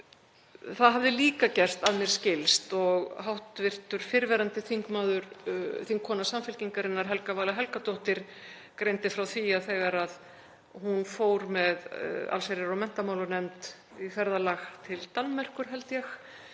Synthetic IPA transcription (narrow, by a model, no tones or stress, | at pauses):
θaðɦavðɪliːkacɛr̥t̪aðmjɛɾ̥scɪlst̪ɔɣɦawht̪vɪr̥t̪ʏɾ̥fɪɾvɛːɾant̪ɪθiŋkmaːðʏɾθiŋkʰːɔnasamfɪlciŋkaɾɪnːaɾ̥ɦɛlkavaːlaɦɛlkat̪owht̪ɪɾ̥ | kɾejnt̪ɪfɾawθiaθɛːɣaɾað | hunfoːwɾmɛða̰lsejɾɪɾɔwmɛn̥t̪amaːwlʏnɛmt̪ | ikɛɾðalaxt̪ʰɪlt̪almɛr̥kʏɾ̥ɦɛlt̪jɛx